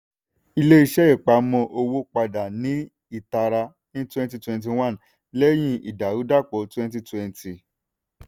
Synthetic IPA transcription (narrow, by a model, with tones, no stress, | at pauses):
i˧le˦i˧ʃɛ˦i˦˨k͡pa˨˦mɔ̃˧ʔo˧wo˦k͡pa˧da˨nĩ˨˦ | i˦˨ta˧ɾa˧ | nĩ˦twɛ̃˦n˦ti˧˦twɛ̃˧nt̬i˧w̃ã˦˨n | lɛ˦j̃ĩ˧ʔḭ˨da˨u˦da˦˨k͡pɔ˨˦twɛ̃˦nt̬i˧twɛ̃˧n˦ti˨